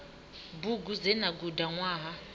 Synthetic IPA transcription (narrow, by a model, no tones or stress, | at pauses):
buɡud͡zɛnaɡudaŋwaːɦa